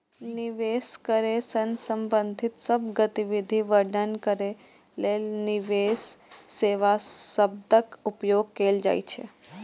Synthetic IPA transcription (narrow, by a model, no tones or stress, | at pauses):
niʋeskəɾesənsəmbə̃nd̪ʱit̪səbɡət̪iʋid̪ʱiʋəɾɖ̪ənkəɾe | lelniʋesːeʋasəb̚d̪əkupjoɡ̚keld͡ʒa̰jt͡ʃʰḛ